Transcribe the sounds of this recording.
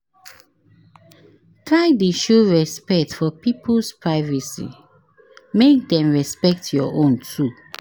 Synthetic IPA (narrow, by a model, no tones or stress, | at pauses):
tʰɹaɪdeʃuɹɛspɛk̚tfɔpipəspɹaɪvɛsḭ | mek̚dɛ̃mɹɛspɛk̚tʰjɔʔõntʰu